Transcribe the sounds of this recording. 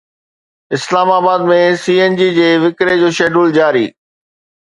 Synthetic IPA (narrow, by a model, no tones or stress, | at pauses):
ɪslaːmaːbaːd̪̚mẽsiːeːnd͡ʑiːd͡ʑeːʋɪkɾed͡ʑoːʃeːɖuːld͡ʑaːɾḭː